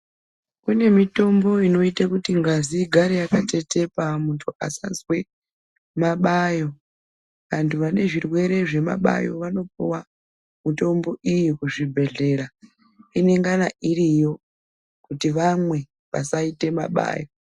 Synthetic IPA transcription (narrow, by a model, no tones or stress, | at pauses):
kune̞mito̞mbo̞ino̞itakutiŋɡaziɡʱaɾejakate̞te̞pamuntʰua̰sazwe̞ | maɓajo̞ | ʋantʰuʋane̞ʐirwe̞ɾe̞ʐe̞ma̰ɓa̰jo̞̰ʋano̞piwa | mito̞mbo̞ʔijikuʐibʱe̞ɮe̞ɾa | ine̞ŋɡanaʔiɾijo̞ | kutiʋamwe̞ | ʋa̰saite̞ma̰ɓa̰ːjo̞